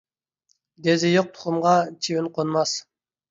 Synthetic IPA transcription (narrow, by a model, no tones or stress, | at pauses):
d̪ezɪjoq̚t̪ʰʊ̥χʊmʁɑt͡ʃʰiwɪnqʰonmɑs